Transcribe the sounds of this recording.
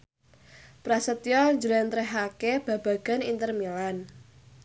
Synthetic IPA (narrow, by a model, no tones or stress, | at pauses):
pɾasət̪ijɔɲd͡ʒəɾɛnt̪ɾɛɦakeb̥a̤b̥a̤ɡ̥a̤nint̪ərmilan